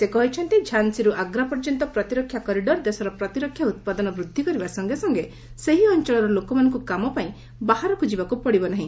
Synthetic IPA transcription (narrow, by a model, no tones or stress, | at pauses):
sekɔɦit͡ʃʰɔnt̪id͡ʒʰʱansiɾuʔaɡɾapɔɾd͡ʒɔnt̪ɔpɾɔt̪iɾɔkʰːjakɔɾiɖɔɾd̪esɔɾɔpɾɔt̪iɾɔkʰːjaut̪̚pad̪ɔnɔbɾud̪ʱːikɔɾibasɔŋɡesɔŋɡe | seɦiɔnt͡ʃɔɭɔɾɔlokɔmanɔŋkukamɔpaĩ | baɦaɾɔkʰud͡ʒibakupɔɽibɔnaɦĩ